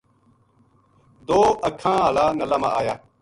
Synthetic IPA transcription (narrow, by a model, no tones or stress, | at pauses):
d̪oːəkʰãːɦəlaːnəlaːmã̰ːʔaːjaː